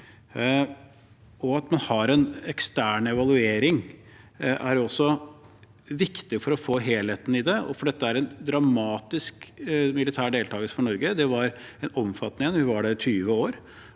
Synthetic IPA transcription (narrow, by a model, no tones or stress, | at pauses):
ɔɑt̪mɑnhɑɾɛnɛkst̪æːɳɛʋɑlˠʉeːɾɪŋ | ʔæɾɔsːɔ | ʋɪkt̪ɪfɔɾɔfoːɦeːlheːt̪n̩ɪd̪ɛɔ̰fɔɖɛt̪ːəæɾɛnd̪ɾɑmɑːt̪ɪskmɪlɪt̪ʰæːɖeːlt̪ʰɑːɡəsfɔɳɔɾɡəd̪ɛʋɑɾɛnɔmfɑt̪nɪənʋɪʋɑɖɛt̪ʰyːʋəoːɾ